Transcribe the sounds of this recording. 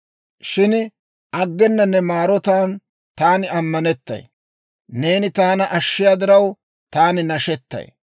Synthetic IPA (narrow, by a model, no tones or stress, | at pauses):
ʃɪn | ʔɐɡːɛnːɐnːɛmaːɾɔt̪aːn | t̪aːnɪɐmːɐnɛt̪ːɐ̰j | ne̞ːnɪt̪aːnɐʔɐʃːɪjaːd̪ɪɾɐw | t̪aːnɪnɐʃɛt̪ːɐ̰j